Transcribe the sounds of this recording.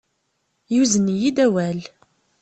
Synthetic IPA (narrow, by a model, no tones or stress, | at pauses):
juzənijid̪æwæl